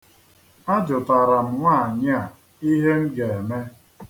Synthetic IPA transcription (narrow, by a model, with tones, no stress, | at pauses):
a˦d͡ʒʊ˨ta˨ɾa˨m̩˨ŋʷa˦˨ɲɪ˦a˨ | i˦ɦe˦m̩˦ɡe˨e˨me˦